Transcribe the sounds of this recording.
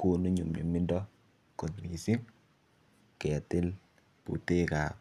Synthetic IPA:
ko˦no˦ɲu˨mɲo̰˨mi˦ndɔ˦ | ko˨tmi˨si˦ŋ | kɛ˨a˨tɪ˦l | pṵ˨te˦ka˨

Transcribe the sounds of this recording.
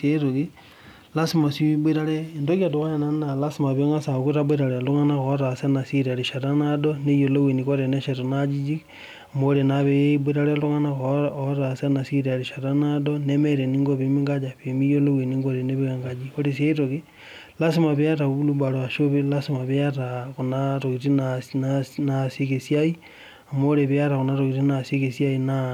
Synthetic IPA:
se˦ɾo˨ɣi | la˦si˦ma˨si˦bwe˦ɾa˦leː˦˨ndo˦ɣi˦a˨do˨ɣa˦ne˨na˦n˦na˨la˦si˦ma˨βjo˦ŋa˦sa˨ku˦ɾabe˦ɾa˨ɾe˨lu˦ŋa˦na˦koɾa˨se˦na˨si˦ɾe˨ɾi˨ʃa˨ɾa˦nado˦ne˦jo˨lo˦wi˨ni˨ko˦ɾe˨ne˦ʃe˨ɾo˨nad͡ʒi˦d͡ʒi˦ | mo˨ɾe˨na˨βe˦bwe˦ɾa˦ɾe˦lu˦ŋa˦nakooɾasanasi˦ɾeaɾiʃatanadone˦meɾeni˦ŋɡoβemi˦ŋɡad͡ʒaβemi˦jo˦lowe˨niŋɡoɾeneβiɣaŋɡad͡ʒio˦ɾesja˦i˦toɣi | la˦simaβja˦taβu˦lubaɾo˨a˨ʃo˦βelasima˨βjatakonatoɣitinananasi˦kesijai | amo˦ɾeβia˦takonaɾoɣitinasi˦kesja˦ina

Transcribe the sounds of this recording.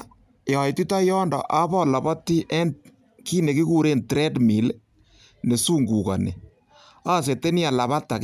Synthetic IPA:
jɔ˨jti˦tɔ˦jɔ˦ndɔ̰˨ʔa˦bɔ˦la˨bɔ˦tːi˦ʔɛ˦nd | ki˦ne˨ki˦ku˨ɾe˦ntɾɛ˦dmi˨l | ne˨su˦ŋɡu˨ka̰˨nḛ˨ | a˦˨s̬e˨te˦ni˦a˨la˨βa˦tːa˨k

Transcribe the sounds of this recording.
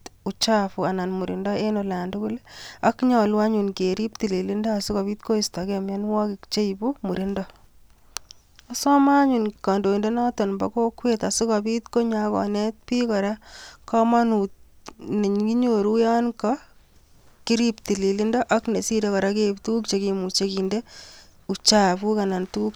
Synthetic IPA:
tʊ˨t͡ʃafu˨a˨na˨nmu˨ɾindɔ˦e˦nola˨ndu˦ku˦la˦kɲɔ˨lwa˦ɲunkeɾi˦p̚ti˨li˨li˦ndɔ˦a˨su˦ka˨bi˦t̪̚ko˦istakemja˦nwɔ˦kɪ˨kt͡ʃe˦jbu˦mu˨ɾindɔ | a˦sɔ˦maɲu˨nka˨ndo˨i˨nde˦na˦tɔ˨nba̰ko˦kweta˨su˦ka˨bit̪ko˦ɲakɔ̰˨ne˦t̪̚pi˦kɔ˨ɾakɔ˦ma˦nu˨tne˨ɲki˦ɲoɾu˦ja˦nkɔ | ki˦ɾi˦p̚ti˨li˨li˦ndɔ˦ʔa˦kne˨si˦de˦kɔ˨ɾa˦ke˦ptu˦u˦k̚t͡ʃe˨ki˨mu˨t͡ʃe˦ki˨nde˦u˨t͡ʃa˦bu˦ka˨na˨ntu˦u˦k

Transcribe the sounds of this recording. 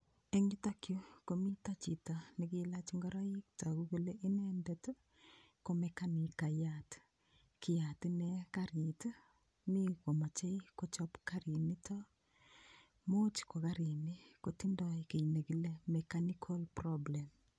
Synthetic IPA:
eŋɡi˦ta˦kjo˦ko˨mi˦ta˦t͡ʃi˨ta˨nikila˦t͡ʃiŋɡɔɾa˦ji˦k̚ta˨ku˦ko˦leʔi˦ne˦ndet | komeka˦ni˨ka˨jat | ki˨ja˨tinekaɾit | mi˦ko˨ma˨t͡ʃe˦ikot͡ʃɔ˦pkaɾi˨ni˦tʰɔ | mo˦t͡ʃko˨ka˦ɾi˨ni˦ko˨ti˦ndɔ˨jke˨ine˨ki˦lemekanikʰo˦lprɔble˨m

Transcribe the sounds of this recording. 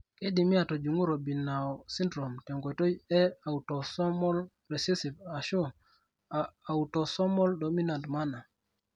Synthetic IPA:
ke˦di˨mi˦a˨to˨d͡ʒu˨ŋu˦ɾo˨bi˨na˨ɔ˨si˦ndɾo˨mtɛ˨ŋɡo˨to˦jɛ˦a˨wu˨tɔ˨sɔ˦mɔ˦l | ɾe˨se˦si˨pa˨ʃu˦ | aː˨u˨tɔ˨sɔ˦mɔ˦ldo˨mi˦na˨ntma˦na˨

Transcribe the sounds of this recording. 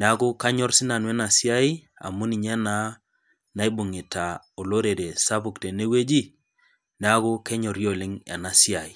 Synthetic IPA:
ne˨a˦kʊ˦ka˦ɲɔ˦ɾsɪ˦na˨nwɛ˦na˨si˦a˦i˦ | a̰˨mu˦ni˨ɲɛ˦na˦ | na˨˦i˦bʊ˨ŋi˨ta˨ | o˨lo˦ɾe˨ɾe˨sa˦pu˨kte˨ne˦we˦d͡ʒi˦ | ne˨a˦ku˦kɛ˦ɲɔ˨ɾjo˦˨lɪ˦ŋɛ̰˨na˨si˦a˨i˨

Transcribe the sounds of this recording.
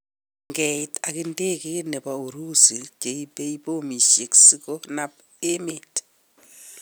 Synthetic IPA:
ŋɡɛ˨ɪta˨kɪ˦nde˦ke˦ne˨pa˨o˨ɾu˦si˨t͡ʃe˨ipe˦ipo˦mi˨ʃje˨ksi˦ko˦na˦p | e˦me˨t

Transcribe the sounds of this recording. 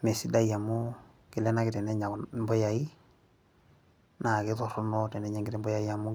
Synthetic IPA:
ne˨si˦da˦i˦a˨mu˦ | kɪ˨lɛ˦na˦kɪ˨tɛ˨nɛ˦ɲa˨mbɔ˦ja˨i˦ | na˨kɪ˦tɔ˨ɾɔ˦nɔ˦tɛ˨nɛ˨˦ɲɛ˨ŋɡɪ˦ɾɛ˦mbɔ˦ja˨i˦ja˨mʊ˦

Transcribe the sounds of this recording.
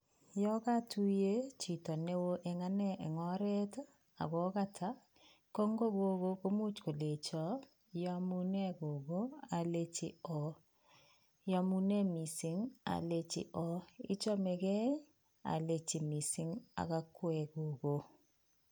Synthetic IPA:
jɔ˦ka˦tu˦je˦t͡ʃi˨tɔ˨ne˦wo˦ʔe˨ŋa˦nɛ˦ʔe˨ŋɔ˦ɾɛ˦t | a̰˨ɡɔ˨˦ka˦tʰa˨˦ | ko˦ŋɡo˦ɡo˦ɡo˦ko˦mu˦t͡ʃko˨le˨t͡ʃɔ˨˦ | ja˦mu˦nɛ˦ɡo˨ɡo˦a˨le˦t͡ʃḭ˨ɔ˨ | ja˨˦mu˦nɛ˦mi˨sɪ˨˦ŋa̰˨le˦t͡ʃɪ̰˨ʔɔ˦ḭ˦t͡ʃɔ˦me˨ɡɛ˦ | a̰˨le˨t͡ʃi˨mi˨sɪ˦ŋa̰˨ka˦kwɛ˨ɡo˨ɡo˨

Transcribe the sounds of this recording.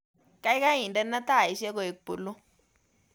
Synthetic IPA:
ka˦i˦ka˦i˨nda˦nːa˦t̪a˦˨i˨ʃɛ˦kɔ˨i˨k̚pu˨lu˦

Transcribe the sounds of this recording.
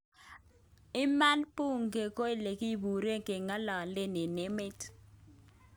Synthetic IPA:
ɪ˦ma˦npu˦ŋɡe˨ko˦i˦le˨ki˦˨bu˨ɾe˦ŋke˨ŋa˦lɔ˨le˦nɪ˨nɪ˦mɪ˦t

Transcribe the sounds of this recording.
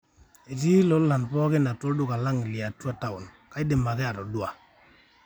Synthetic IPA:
e˨t͡ʃi˦lo˦lla˨npɔ˦kɪ˦na˨tɔ˦dʊ˦˨ka˨la˦ŋ˨lɪ˨a˨tːu˦a˨ta˦˨ʊ˨n | ka˦i˦de˨ma˨kɛ˦a˨ɾɔ˨dʊ˦a˨

